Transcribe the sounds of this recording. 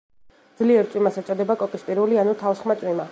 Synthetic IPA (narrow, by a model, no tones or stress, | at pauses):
d̪zliɛɾt̪ʼwimasat͡ʃʼɔd̪ɛbakʼɔkʼisp̪ʼiɾulianut̪ʰafsχmat̪sʼwima